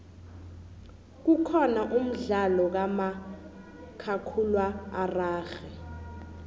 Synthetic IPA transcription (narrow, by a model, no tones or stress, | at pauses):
k̬ukʰɔnaʔum̩ɮalɔk̬ama | kʰakʰulwaːraːxɛ